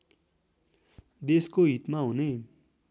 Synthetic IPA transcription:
d̪eskoɦit̪maɦune

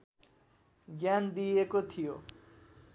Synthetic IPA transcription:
ɡjand̪ijekot̪ʰijo

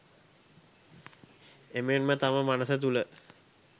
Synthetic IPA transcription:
emenmət̪aməmanəsət̪̬ulə

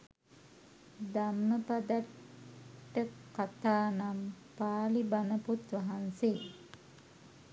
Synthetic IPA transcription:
d̪amnəpad̪aʈː | əkat̪aːnam | paːlibanəput̪ʋaɦanseː

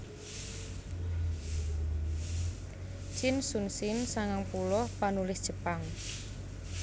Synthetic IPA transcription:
t͡ʃɪnsunsɪnsaŋaŋpulɔpanulɪsd̥ʒ̥əpaŋ

